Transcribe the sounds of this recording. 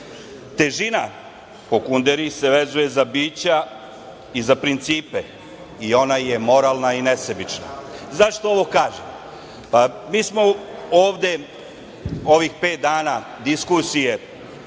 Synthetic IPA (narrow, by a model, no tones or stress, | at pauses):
t̪e̞ʒina | pokund̪eɾise̞ʋe̞zuje̞zabiːt͡ɕa | izapɾint̪siːpe | io̞naje̞mo̞ɾaːlˠnaine̞sebit͡ʃna̰zaʃt̪ooʋo̞kaːʒem | pamiːsmo̞oːʋd̪e̞ | o̞ʋixpeːt̪̚d̪aːna | d̪iskusije̞